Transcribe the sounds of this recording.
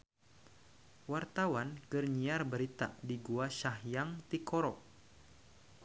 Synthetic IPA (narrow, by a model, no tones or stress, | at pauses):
wart̪awankərɲiarbəɾit̪a̰diɡuaʃahjaŋt̪ikɔɾɔk